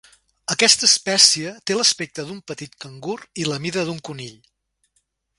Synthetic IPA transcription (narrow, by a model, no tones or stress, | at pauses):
əkɛst̪əːspɛsiət̪eləspek̚t̪əðumpət̪it̪kəŋɡuriləmiðəðuŋkuniʎ